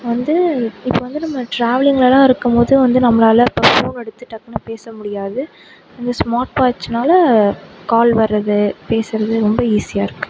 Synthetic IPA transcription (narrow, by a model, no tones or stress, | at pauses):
ʋɐnd̪ɯɪpːoʋɐnd̪ɯnɐmːɐʈɾaːʋɪlɪŋɡɐɭɛlãːɪɾɯkːɯmpoːðɯʋɐnd̪ɯnɐmːɐlaːlɐpːɐpoːnɛɽɯt̪ːɯʈːɐkːɐnɯpeːsɐmʊɽɪjaːðɯ | ɪnd̪ɐsmaːʈ̚paːt͡ʃːɯnaːlɐkaːlʋɐɾːɐðɯpeːsɪɾɐðɯɾɔmbɐiːsɪjaːɪɾɯkːɯ̥